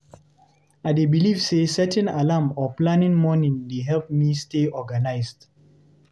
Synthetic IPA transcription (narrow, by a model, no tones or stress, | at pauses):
aɪdebilivsesɛtʰɛ̃nalãmɔplãnĩŋmɔnĩŋdeɦɛlp̚misteɔɡanaɪsd